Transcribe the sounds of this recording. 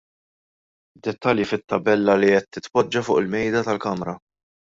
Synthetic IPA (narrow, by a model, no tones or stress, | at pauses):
d̪ːɛt̪ːɐljifɪt̪ːɐbɛlːɐliɛt̪ːɪt̪pɔd͡ʒːɐfʊːʔɪlmɛjd̪ɐt̪ɐlkɐmɾɐ